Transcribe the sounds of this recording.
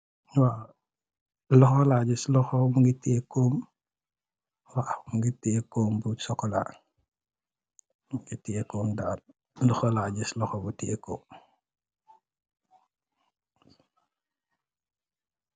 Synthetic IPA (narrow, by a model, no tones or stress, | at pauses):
wa | lɔxɔlaːɟislɔxɔmuŋɡiteːkɔːm | wamuŋɡiteːkɔːmbusɔkːɔla̰ː | muŋɡitɛːkɔːmdaːt̚ | lɔxɔlaːɟislɔxɔbutɛːkɔm